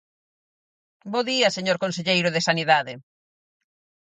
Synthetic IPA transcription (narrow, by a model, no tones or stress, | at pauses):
boðiɐseɲoɾkonseʎejɾʊðɪsaniðaðɪ